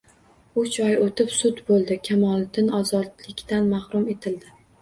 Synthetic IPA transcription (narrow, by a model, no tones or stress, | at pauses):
ʊt͡ʃʰɒjot̪ɪpsʊt̪bolˠd̪ɪkʲʰamɒlˠd̪ɪnɒzɒd̪lɪkʲt̪anmahɾʊme̞t̪ʰɪld̪ɪ